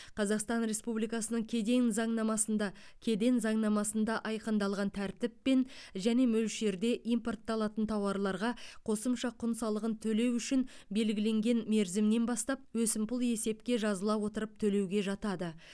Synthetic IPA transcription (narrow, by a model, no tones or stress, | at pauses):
qʰɑzɑqst̪ɑnɾe̞spublijkɑsənəɴkʲʰe̞d̪e̞nzɑɴnɑmɑsənd̪ɑ | kʲʰe̞d̪e̞nzɑɴnɑmɑsənd̪ɑʔɑjqənd̪ɑlˠʁɑnt̪ʰæɾt̪ɪpːe̞nʒæne̞mɵlʃe̞ɾd̪e̞ʔijmpo̞rt̪ːɑlˠɑt̪ənt̪ʰɑwɑɾlˠɑɾʁɑqʰo̞səmʃɑqʰʊnsɑlˠəʁənt̪ʰɵle̞wʏʃɪnbe̞lɡʲɪle̞ŋɡʲe̞nme̞ɾzɪmne̞nbɑst̪ɑp̚wɵsɪmpʊlˠe̞se̞pkʲe̞ʒɑzəlˠɑwo̞t̪əɾəp̚t̪ʰɵle̞wɡʲe̞ʒɑt̪ɑd̪ə